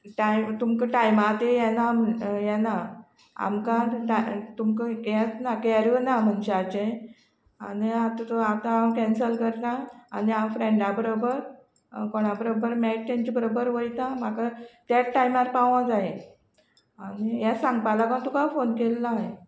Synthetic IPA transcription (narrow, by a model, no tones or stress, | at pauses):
ʈajmt̪umkəʈajmat̪ejɛnamjɛna | a̰mkãʈat̪umkəjat͡snakɛɾənam̤ənt͡ɕeat͡ɕẽ | a̰niat̪at̪at̪ãːmkɛ̃nsəlkəɾt̪aa̰niamfɾeɳɖãbəɾobəɾ | koɽ̃abəɾobəɾmɛʈ̚t̪ɛ̃ɲt͡ɕibəɾobəɾʋəjt̪ãmakat̪aʈajmaɾpaʋãd͡zae | anijasãŋɡpalakãt̪ukafonkelːae